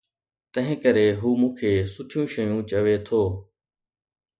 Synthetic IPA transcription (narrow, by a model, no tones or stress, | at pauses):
t̪ə̃ɦɪ̃kəɾeːɦuːmũːkʰeːsʊʈʰijũːʃəjũːt͡ɕəʋeːt̪ʰoː